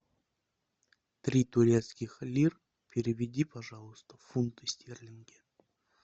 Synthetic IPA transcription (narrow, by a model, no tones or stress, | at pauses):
t̪ɾʲit̪ʊɾʲet̪skʲɪxlʲir | pʲɪɾʲɪvʲɪdʲipɐʐalˠəst̪əfunt̪ɨsʲt̪ʲerlʲɪnɡʲɪ